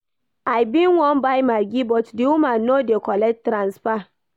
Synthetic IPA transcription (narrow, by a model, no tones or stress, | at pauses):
ajbĩnwɔ̃nbajmaɡibɔtdiwumanodekɔlɛk̚tɾãnsfa